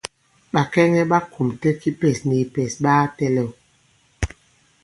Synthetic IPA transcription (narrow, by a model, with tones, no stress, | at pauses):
ɓa˨kɛ˦ŋɛ˦ɓa˦ku˨mtɛ˦ki˦pɛ˨sni˨pɛ˨sɓaː˦tɛ˦lɛ˨w